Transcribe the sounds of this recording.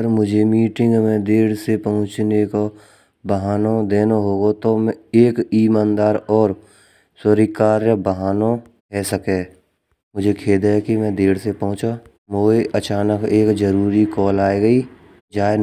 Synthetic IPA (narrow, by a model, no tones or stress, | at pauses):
əɾmʊd͡ʒʱemiːʈɪ̃ŋɡmẽd̪eːɽsepɐɦʊ̃t͡ʃneko | bəɦaːnod̪eːnaɦoːɡot̪omɛ̃eːkiːmãːnd̪aːɾɔːɾ | səɾikaːɾjəbəɦaːno | ɦɛːsəkeː | mʊd͡ʒʱekʰeːd̪ɦɛkimɛ̃d̪eːɽsepɐɦʊ̃t͡ʃa | moːeʔət͡ʃaːnəkeːkzəɾuːɾikɔːlaːeɡəiː | d͡ʒaːe